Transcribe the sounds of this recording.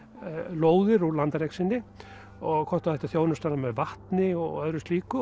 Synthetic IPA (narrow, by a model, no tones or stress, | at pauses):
loːwðɪɾulant̪aɾejksɪnːɪ | ɔɣkʰɔht̪ḁθɛht̪aθjoːwnʏst̪aɾamɛðvaht̪nɪɔɣœðɾʏst̪liːkʏ